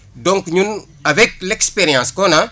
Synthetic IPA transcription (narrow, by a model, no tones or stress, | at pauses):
dõŋkɲun | avɛk̚lekspeɾijãːskona